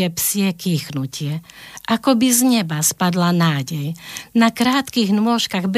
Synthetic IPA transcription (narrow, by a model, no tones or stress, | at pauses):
ɛpsɪɛkiːxnucɪɛʔakɔbizɲɛbaspad̪lanaːɟɛjnakɾaːt̪kiɣnʊɔʃkaɣb